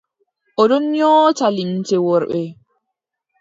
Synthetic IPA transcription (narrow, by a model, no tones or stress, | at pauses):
ʔɔdɔnɲɔːtalintɛwɔɾɓɛ